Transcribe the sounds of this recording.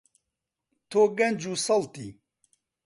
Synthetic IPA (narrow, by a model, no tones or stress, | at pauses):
t̪ʰoːɡɐnd͡ʒuːsɐlt̪iː